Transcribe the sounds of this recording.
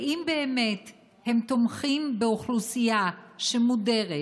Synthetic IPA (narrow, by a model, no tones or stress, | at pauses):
imbeːmet | he̞mt̪omχimbeoχlusijaʃemude̞ʁe